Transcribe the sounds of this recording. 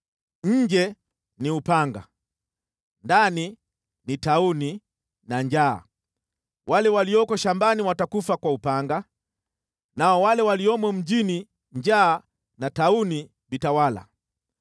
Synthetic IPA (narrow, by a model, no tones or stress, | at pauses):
ɲ̩d͡ʒɛ | niupaŋɡa̰ | ndani | nitauni | naɲd͡ʒa̰ː | walɛwaliɔkɔʃambaniwatakufakwaupaŋɡa | naɔwalɛwaliɔmwɛm̩d͡ʒini | ɲd͡ʒaː | natauni | vitawala̰